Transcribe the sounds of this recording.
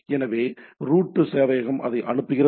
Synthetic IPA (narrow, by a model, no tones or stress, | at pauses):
ɛnɐʋeːɾuːʈːɯseːʋɐjɐɣɐmʔɐ̰ðɐɪʔɐɳɯpːɯɣɪɾɐ